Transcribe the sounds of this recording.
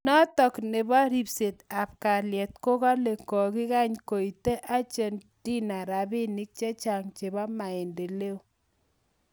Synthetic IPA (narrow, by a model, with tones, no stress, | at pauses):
nɔ˦tɔ˨knɪ˨bɔ˦ɾi˦pse˨ta˨p̚ka˨ljɛ˨t̚ko˦ka˦le˨kɔ˨ki˦ka˦ɲko˨i˨te˦ʔa˦t͡ʃe˦n | d̥i˦na˨ɾa˨bɪ˦nɪ˦k̚t͡ʃe˦t͡ʃa˨ŋt͡ʃe˨bɔ˦ma˨e˨nde˨le˦o˦